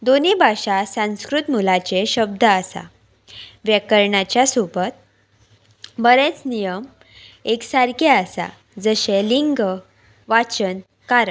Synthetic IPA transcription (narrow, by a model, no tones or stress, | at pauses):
d̪onibʱaɕasãw̃skɾut̪mulat͡ɕeɕəb̚d̪ʱəasa̰ | ʋjekəɾɳat͡ɕjasupət̪̚ | bəɾet͡snijəm | eksaɾkeasa̰ | d͡zəɕeliŋɡ | ʋat͡ɕən | kaɾə